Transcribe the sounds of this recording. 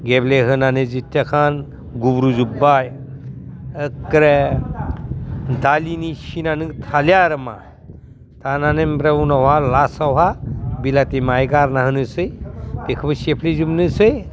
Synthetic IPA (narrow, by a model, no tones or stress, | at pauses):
ɡebleɦənanezit̪ʲːjakʰan | ɡubɾud͡ʒubːaj | əkːɾe | d̪aliniʃinanɨɡt̪ʰaljaɾɐma̰ | t̪ananembɾewunɐwɦalasawɦabilat̪imajɡaɾnaɦɐnɨsɨjt̪ekʰbɐsepʰlizubnɨsɨj